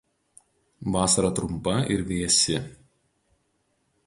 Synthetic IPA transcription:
ʋɑːsɐɾɐt̪ɾʊmpɐɪ̰ɾʋʲiɛsʲɪ

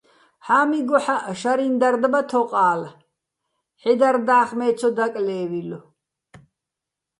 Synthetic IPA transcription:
ħaːmiɡɔħaʔʃaɾind̪aɾd̪bat̪ʰɔqʼaːl | ħɛd̪aɾd̪aːχmɛːt͡sʰɔd̪akʼlɛːwilɔ

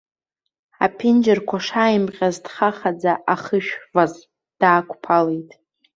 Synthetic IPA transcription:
apʰɪnd͡ʒɪrkʷʰaʂajɪmqqʲʼazdχaχad͡zaʔaχəʃᶣvaz | d̥aːkʷʰʼpʰale̞jtʼ

